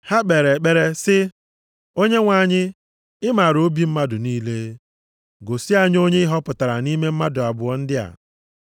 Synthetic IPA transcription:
ha˦k͡pe˨ɾe˨k͡pe˦ɾe˦sɪ˦ | o˦ɲe˦ŋʷa˨ɲɪ˦ | ɪ˦ma˨ɾo˦bi˨m̩˦ma˦dʊ˨niː˦le˦ | ɡo˨sɪ˦a˦ɲ˦o˦ɲe˦ɪ˦ɦɔ˦pʊ˨ta˨ɾa˨ni˦me˦m̩˦ma˦dʊ˨a˨bʊ˨ɔ˦n̩˦dɪ˦a̰˨

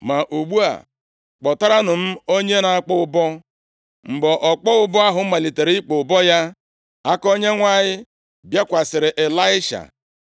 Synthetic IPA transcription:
ma˨ʔu˨ɡ͡bu˦a̰˨ | k͡pɔ˨ta˦ɾa˦nʊ˨m̩˦o˦ɲe˦na˨a˦k͡pɔ˦ʊ˦bɔ˦ | ŋ͡m̩˨ɡ͡bɔ˨ʔɔ˨k͡pɔ˦ʊ˦bɔ˦a˦ɦʊ˨˦ma˨li˨te˨ɾi˦i˦k͡po˨ʊ˨bɔ˦ja˦ | a˦ko˦ɲe˦ŋʷa˦ɲɪ˦ | bja˦kʷa˨sɪ˨ɾɪ˨ʔe˨la˦ɪ˦ʃa̰˨

